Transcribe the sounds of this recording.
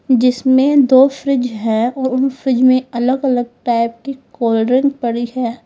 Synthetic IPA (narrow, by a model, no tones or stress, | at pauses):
d͡ʒɪsmẽd̪oːfɾɪd͡ʒɦɛɔːɾʊnfɾɪd͡ʒmẽɐləɡɐləɡ̚ʈaːɪp̚kikoːlɖɾɪ̃ŋɡpɐɽiɦɛː